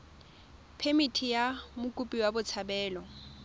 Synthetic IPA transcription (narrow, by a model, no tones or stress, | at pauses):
pʰemitʰijamʊkʼupʼiwabʊt͡sʰabɛːlɔ